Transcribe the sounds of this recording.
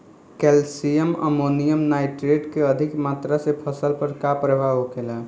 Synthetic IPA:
kɛlsijəmə̰monijəmnaɪʈɾeɖkeəd̪ʱikmaːt̪ɾasepʰəsəlpəɾkapɾəbʱaɦokela

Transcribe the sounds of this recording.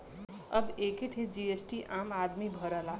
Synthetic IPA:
əbekiʈʰid͡ʒiesʈiʔamad̪mibʱəɾəla

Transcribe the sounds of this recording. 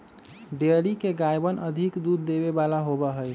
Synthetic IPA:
ɖeəɾikeɡajbənʔəd̪ʱikd̪ud̪ːeβebalaɦobəɦəj

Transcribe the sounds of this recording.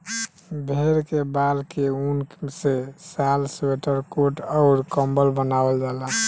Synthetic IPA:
bʱeɾkebalkeunsesalsweʈəɾkoʈɔʊɾkəmbəlbənabəld͡ʒala

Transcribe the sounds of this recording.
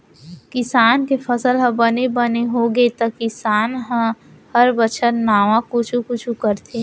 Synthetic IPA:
kɪsaːnkefʰəsəlɦə̃bənebəneɦoɡet̪əkɪsaːnɦə̃ | həɾbət͡ʃʰətnaːʋãkʊt͡ʃʰukʊt͡ʃʰukəɾt̪ʰeː

